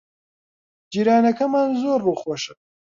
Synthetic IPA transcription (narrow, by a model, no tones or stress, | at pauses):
d͡ʒiːɾaːnɐkʰɐmaːnzoːɾbuxwoʃɨ